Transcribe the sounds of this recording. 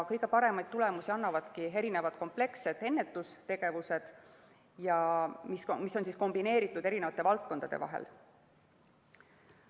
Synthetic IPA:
kɤjɡe̞pɑɾe̞mɑjd̪̚t̪ule̞musiɑnːɑvɑd̪̥kie̞ɾine̞vɑd̪̥ko̞mple̞kse̞d̪̥e̞nːe̞t̪ːˑust̪e̞ɡ̥e̞vuse̞d̪̥ | jɑmismiso̞nsiːsko̞mbine̞ːɾit̪ːˑud̪eɾine̞vɑt̪ːe̞vɑlt̪̚ko̞nd̪ɑd̪̥e̞̰vɑ̰ɦḛl

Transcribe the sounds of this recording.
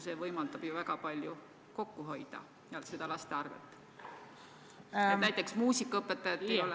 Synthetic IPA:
se̞vɤjmɑld̪ɑb̥juvæɡ̥ɑpɑlʲju | ko̞kːuɦo̞jd̪̥ɑ̰ | jɑse̞d̪̥ɑlɑst̪eɑrvḛt̪ːˑ | enæjt̪ːˑe̞ksmuːsikːˑɑɤpːˑet̪ːˑɑjɑt̪ːˑejo̞l

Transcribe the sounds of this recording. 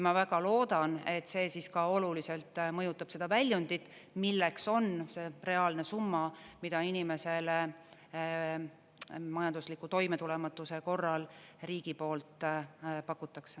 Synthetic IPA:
mɑvæɡɑlo̞ːd̪̥ɑne̞t̪ːˑse̞ːsiskɑo̞lulise̞lt̪ˑmɤjut̪ːˑɑb̥se̞d̪̥ɑvælʲjund̪̥id̪̥ | milːekso̞nse̞ːre̞ɑːlne̞sumːɑmid̪̥ɑinime̞se̞le | mɑjɑnd̪uslikːˑut̪o̞jme̞t̪ule̞mɑt̪ːˑuse̞ko̞rːɑlriːɡ̥ipo̞ːlt̪ˑpɑkːˑut̪ːˑɑkse

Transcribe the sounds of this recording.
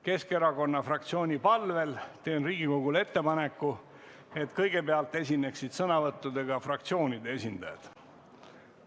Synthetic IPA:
ke̞ske̞ɾɑko̞nːɑfrɑk̚t̪sio̞ːnʲipɑlve̞lt̪e̞ːnriːɡ̥iko̞ɡule̞t̪ːe̞pɑne̞kːu | e̞t̪kɤjɡ̥e̞peɑlt̪ːˑe̞sʲinːe̞ksid̪̥sɤnɑvɤt̪ːud̪e̞ɡ̥ɑfrɑkt̪sio̞ːnid̪e̞e̞sʲind̪̥ɑjɑ̰d̪̥

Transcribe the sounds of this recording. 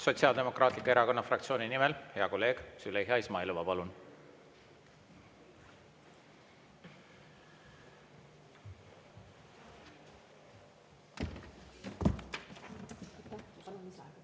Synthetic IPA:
so̞t̪siɑːld̪̥e̞mo̞kˑrɑːt̪likːoeɾɑko̞nːɑfrɑk̚t̪sio̞ːninimɛlheɑko̞lːe̞ːɡ̥syleɦeɑismɑeluvɑpɑlun

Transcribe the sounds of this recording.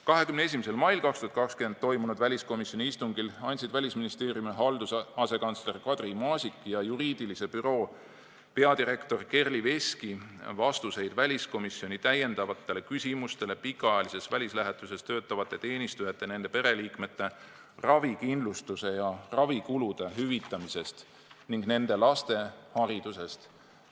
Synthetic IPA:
kɑɦe̞kymnee̞s̬imise̞lmɑjlkɑkst̪uhɑt̪kɑkskyment̪̚t̪o̞jmunud̪vælʲisko̞misjo̞nʲiist̪uŋɡilɑnʲt̪ʲsid̪̥vælʲisminist̪e̞ːrjumeɦɑld̪̥usɑse̞kɑnsle̞rkɑd̪̥rimɑːsʲikːˑjɑjuɾiːd̪̥ilise̞pyɾo̞ː | pe̞ɑd̪iɾe̞kt̪o̞rke̞rlive̞skivɑst̪use̞jd̪̥vælʲisko̞misːio̞nʲit̪æje̞nd̪ɑvɑt̪ːˑe̞le̞kysʲimust̪e̞le̞pikːˑɑɑjɑlise̞svælʲislæɦet̪ːˑuse̞st̪ø̞ːt̪ːˑɑvɑt̪ːˑe̞t̪e̞ːnʲist̪ujɑt̪ːˑe̞ne̞nd̪epe̞ɾe̞liːkme̞t̪ːe̞ | rɑvikind̪lust̪use̞jɑrɑvikulud̪̥e̞ɦyvit̪ːˑɑmise̞st̪ | niŋɡne̞nd̪e̞lɑst̪e̞hɑɾid̪̥use̞st̪

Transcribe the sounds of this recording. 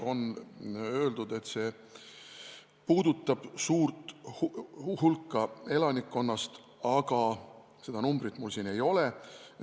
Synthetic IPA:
o̞nø̞ːld̪ud̪e̞t̪ːse̞ː | puːd̪ut̪ːˑɑb̥suːrt̪ˑhhulkˑːɑe̞lɑnikːo̞nːɑst̪ | ɑɡ̥ɑ | se̞d̪̥ɑnumbrit̪mulsiːne̞jo̞le

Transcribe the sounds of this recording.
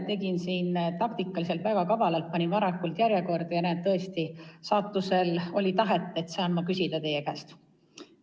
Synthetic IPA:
t̪e̞ɡinsiːnt̪ɑkt̪ikːˑɑlis̬e̞lt̪væɡ̥ɑkɑvɑlɑlt̪̚pɑnʲinvɑɾɑkːˑult̪jæɾjeko̞rd̪̥ɑjɑnæːd̪t̪ɤ̞e̞st̪isɑːt̪ːˑuse̞lo̞lʲit̪ɑɦe̞t̪ˑːe̞t̪ːsɑːnmɑkysid̪̥ɑt̪e̞jekæːst̪

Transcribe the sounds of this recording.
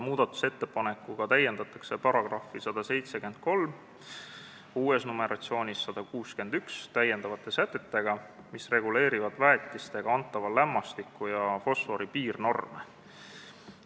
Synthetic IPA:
muːd̪̥ɑt̪ːˑu̥se̞t̪ːe̞pɑne̞kːˑuɡ̥ɑt̪æje̞nd̪ɑt̪ːˑɑkse̞pɑɾɑɡ̥rɑfːisɑd̪̥ɑse̞jt̪se̞ke̞nd̪̥̚ko̞lm | uːe̞snume̞ɾʔɑ̰t̪sio̞ːnʲisːɑd̪̥ɑkuːske̞nd̪ykst̪æjend̪̥ɑvɑt̪ːˑe̞sæt̪ːˑe̞t̪ːe̞ɡ̥ɑ | misre̞ɡ̥ule̞ːɾivɑd̪̥væet̪ˑːist̪e̞ɡ̥ɑɑnt̪ːˑɑvɑlæmːɑst̪ikːˑujɑfo̞sfo̞ɾipiːrno̞rmḛ

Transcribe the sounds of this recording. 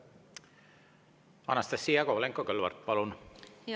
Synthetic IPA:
ɑ̰nɑst̪esːiːɑkoleŋkːokølʋɑ̰rt̪̚pɑlun

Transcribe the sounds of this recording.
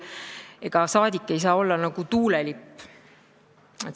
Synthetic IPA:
e̞ɡ̥ɑsɑːd̪ikːˑe̞js̬ɑːo̞lːɑnɑɡ̥ut̪uːlelipː | e

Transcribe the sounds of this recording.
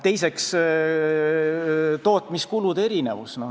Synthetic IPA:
t̪e̞jse̞ks | t̪o̞ːt̪ːˑmiskulud̪̥e̞ɾine̞̰vusno

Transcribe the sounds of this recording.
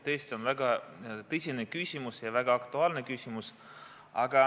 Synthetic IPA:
t̪ejst̪ʲio̞nvæɡ̥ɑt̪ɤsʲinekysʲimusjɑvæɡ̥ɑɑkt̪uɑːlne̞kysʲimus | ɑ̰ɡ̥ɑ

